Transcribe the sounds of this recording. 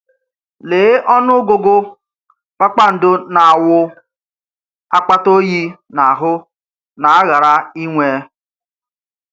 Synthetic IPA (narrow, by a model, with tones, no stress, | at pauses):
leː˨˦ʔɔ˦nʊ˦ɡo˨ɡo˦ | k͡pa˦k͡pa˦n̩˨dʊ˦na˨a˨wʊ˦ | a˦k͡pa˦to˦ji˦na˨a˨ɦʊ˦ | na˨a˦ɣa˨ɾa˦i˦ŋʷe˦